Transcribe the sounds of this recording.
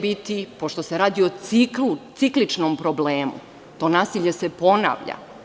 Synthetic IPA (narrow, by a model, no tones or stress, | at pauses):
bit̪ipo̞ʃt̪o̞seɾaːd̪io̞iklut̪iklit͡ʃnompɾobleːmṵ | t̪o̞naːsiʎe̞se̞po̞na̰ːʋʎa̰